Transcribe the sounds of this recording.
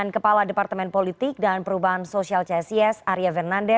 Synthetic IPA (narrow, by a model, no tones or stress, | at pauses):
ankəpaladepart̪əmɛnpolit̪ɪk̚danpəɾubaɦansosialt͡ʃɛsiɛsaɾiavɛrnandɛ